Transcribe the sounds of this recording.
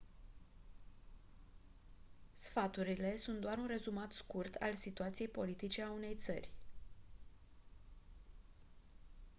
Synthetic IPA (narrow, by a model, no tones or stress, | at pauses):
sfat̪uɾile̞sunt̪̚d̪oaɾunre̞zumat̪skurt̪ʰa̰lsit̪uat̪sije̞jpo̞lit̪it͡ʃe̞aune̞jt̪sə̰rʲ